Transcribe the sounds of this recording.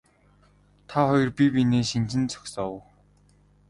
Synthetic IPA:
t̪ʰaχɔjɞ̆rpipineːʃint͡ɕɪ̆nt͡sʰɔ̥ksɔw

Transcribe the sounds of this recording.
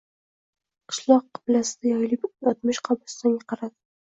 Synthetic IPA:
qʰɨ̥ʃlˠɒqːɨ̥blasɪd̪ajɒjlɪpɒt̪̚mɪʃqʰɑbʊst̪anjʲaqʰɑɾad̪ɪ

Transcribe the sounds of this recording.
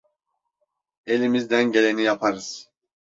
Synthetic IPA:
e̞lʲimizd̪ænɟe̞lʲe̞nijapʰaɾɯz̥

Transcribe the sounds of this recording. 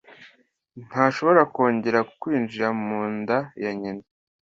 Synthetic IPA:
n̥haːʃo̞βo̞ɾako̞ːɲɟe̞ɾakwiːnd͡ʒiɾamuːndajaɲena

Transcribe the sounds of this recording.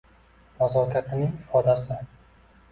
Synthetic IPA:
mazɒkʲʰat̪ʰɪnɪŋɪfɒd̪asɪ

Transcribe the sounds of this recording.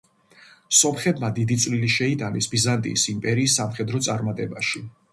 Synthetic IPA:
sɔmχɛbmad̪id̪it̪sʼliliʃɛit̪ʼanɛsbizant̪ʼḭːsimpʼɛɾiːsːamχɛd̪ɾɔt̪sʼaɾmat̪ʼɛbaʃi

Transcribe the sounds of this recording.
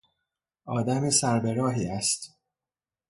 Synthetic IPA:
ʔɒːd̪æmesæɾbe̞ɾɒːɦiːæst̪

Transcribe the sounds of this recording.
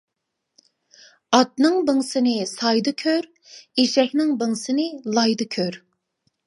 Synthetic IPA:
ɑt̪̚nɨŋbɪŋsɪnɪsɑjd̪ɨkʲʰøɾ | eʃɛhʲnɪŋbɪŋsɪnɪlˠɑjd̪ɨkʲʰøɾ

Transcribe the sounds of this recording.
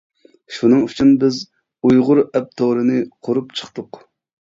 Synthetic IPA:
ʃunɨŋyt͡ʃʰynbɪz | ujʁʊɾɛp̚t̪ʰoɾɨnɨqʰoɾupt͡ʃʰə̥χt̪ʊq

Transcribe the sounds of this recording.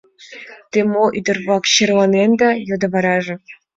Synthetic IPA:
t̪emoʔyd̪ɤ̆rβɑkɕerlˠɑnend̪ɑjod̪ɤ̆βɑɾɑʒɤ̆

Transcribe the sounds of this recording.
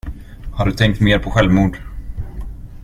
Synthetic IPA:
haɖɵt̪ʰɛŋk̚t̪meːɾpʰɔɧɛlvmuːd̪

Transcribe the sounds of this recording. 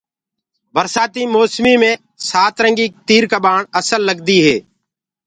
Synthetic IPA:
bʱəɾsaːt̪iːmoːsmiːmẽː | saːt̪ɾə̃ŋɡiːk̚t̪iːɾkaːbaːɳəsəlːəɡd̪iːɦeː

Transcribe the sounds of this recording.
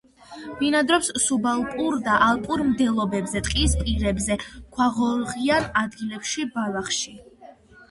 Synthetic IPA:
vinad̪ɾɔpssubalˠpʼuɾd̪aʔalˠpʼuɾmd̪ɛlˠɔbɛbzɛt̪ʼqʼispʼiɾɛbzɛkʰwaʁɔʁianad̪ɡilɛpʃibalaχʃi

